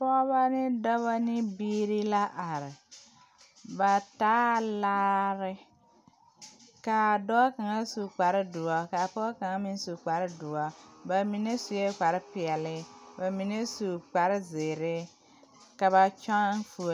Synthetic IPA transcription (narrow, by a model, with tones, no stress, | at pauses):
pɔ˦βa˦nɪ˦dɔ˦βa˦nɪ˦biː˦ɾi˦la˦ʔa˨ɾɪ˨ | ba˨taː˦laː˦ɾɪ˦ | ka˨dɔ˦ka˨ŋa˦su˨k͡pa˨ɾɪ˦du˨a˨ka˨pɔ˦ka˨ŋa˦mi˦n˦su˨k͡pa˨ɾɪ˦du˨wa˦ba˨mi˨ne˦su˨je˦k͡pa˨ɾɪ˦pɪ˨ɛ˨lɪ˦ba˨mi˨ne˦su˨k͡pa˨ɾɪ˦ze˨ɾɪ˦ | ka˨βa˨t͡ʃa˦nfu˨